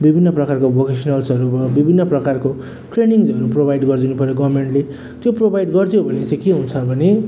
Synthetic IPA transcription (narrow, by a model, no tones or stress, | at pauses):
bibʱinːʌprʌkarkobokesʌnʌlsʌɾubʌbibʱinːʌprʌkarko | ʈreniŋzʌɾuprobʱajɖɡʌrd̪inupʌɾjoɡʌrmeɳʈle | t̪joprobʱajɖɡʌrt̪ʰijobʱʌnet͡sʌ̃keɦunt͡sʰʌbʱʌne